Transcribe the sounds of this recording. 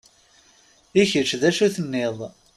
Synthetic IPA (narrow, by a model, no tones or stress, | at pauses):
içəɾt͡ʃðæʃuθənːɪðˤ